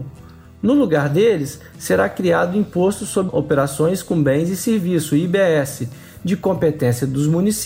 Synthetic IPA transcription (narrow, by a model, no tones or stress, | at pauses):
nʊluɡaɾd̪elɪsː | eɾakɾiad̪ʊĩpost̪ʊsobopeɾasõj̃skõbẽj̃zɪseɾvisʊibeɛsɪ | d͡ʒɪkõmpet̪ẽsiɐd̪ʊzmũnis